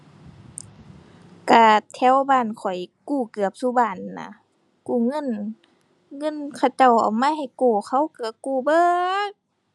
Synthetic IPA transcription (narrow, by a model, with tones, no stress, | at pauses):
ka˧˩t̪ʰɛː˧˥˨wbaː˧˩˨nkʰɔ˨˩jkuː˧˩kɯ˨˩əp̚suː˧˦baː˧˩˨nːa̰˧˩ | kuː˧˩˨ŋɤ˧˥˨n | ŋɤ˧˥˨nkʰa˧˩wt͡ɕa˧˩wʔa̰˨˩wmaː˧˥˨ha˧˩jkoː˧˩˨kʰa˧˥˨wkɯ˧˩˦kuː˧˩bɤː˧˨